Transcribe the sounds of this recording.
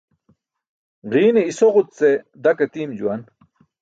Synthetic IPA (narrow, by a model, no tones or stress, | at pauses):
ʁiːneisoʁutt͡se | d̪ɐkɐt̪iːmd͡ʑṵan